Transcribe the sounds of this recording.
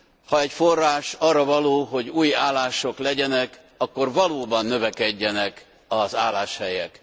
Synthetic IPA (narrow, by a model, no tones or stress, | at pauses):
hɒɛcforːaːʃɒːrːɒvɒloːɦo̞ɟuːja̰ːlːaːʃo̞klɛɟɛnɛk | ɒkːo̞rvɒloːbɒnːø̞vɛkɛɟːɛnɛk | ɒzaːlːaːʃhɛjɛk